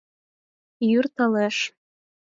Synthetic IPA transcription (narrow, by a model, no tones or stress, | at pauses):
jyrt̪ɤleʃ